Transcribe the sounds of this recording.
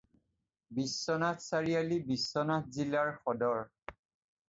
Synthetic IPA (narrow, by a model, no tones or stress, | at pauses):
bisːɔnatsaɹijalibisːɔnat̚zilaɹxɔdɔɹ